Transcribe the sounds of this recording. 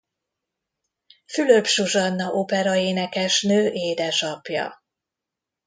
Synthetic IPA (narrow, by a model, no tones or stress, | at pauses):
fyløbʃuʒɒnːɒʔopɛɾɒeːnɛkɛʃnøːʔeːd̪ɛʃɒpjɒ̰